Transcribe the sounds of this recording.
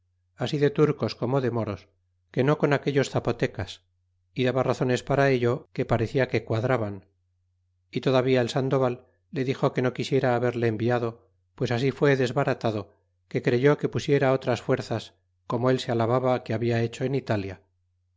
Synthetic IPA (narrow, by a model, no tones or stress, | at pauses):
asiðet̪uɾko̞sko̞mo̞ðe̞mo̞ɾo̞s | ke̞no̞ko̞nake̞ʎo̞sθapo̞t̪e̞kas | iðaβaraθo̞ne̞spaɾae̞ʎo̞ke̞paɾe̞θiake̞kwaðɾaβan | it̪oðaβiaelsand̪o̞βalː | e̞ðixo̞ke̞no̞kisje̞ɾaːβe̞ɾle̞ːmbiaðo̞ | pwe̞sasifwe̞ðe̞zβaɾat̪aðo̞ | ke̞kɾe̞ʝo̞ke̞pusje̞ɾao̞t̪ɾasfwe̞ɾθas | ko̞moe̞lsealaβaβakeaβiae̞t͡ʃo̞enit̪alja